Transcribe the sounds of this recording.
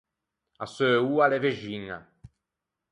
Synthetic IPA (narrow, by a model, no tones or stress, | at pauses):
asøuːaleveʒiɲa̰